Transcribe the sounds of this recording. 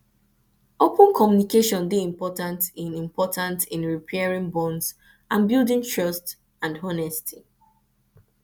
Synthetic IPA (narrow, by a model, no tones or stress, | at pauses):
opə̃nkʰɔmjunikeʃɔ̃nbeĩmpɔtãntĩnĩmpʰɔtʰãntĩnɹipʰɛɹĩŋbɔ̃ns | ʔãnbilˠdĩŋtʰɹɔst | ãndɦɔnɛstʰi